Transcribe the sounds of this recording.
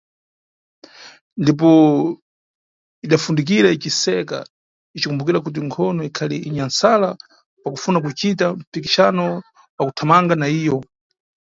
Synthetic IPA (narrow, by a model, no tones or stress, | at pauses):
ndip̬ɔ | iɗafundik̬iɾait͡ʃisɛka̰ | it͡ʃikumbukiɾak̬ut̬iŋkʰɔnɔikʰaliiɲansala | pakufunak̬ut͡ʃit̬am̩pikiʃanɔ | pakutʰamaŋɡanaiːjɔ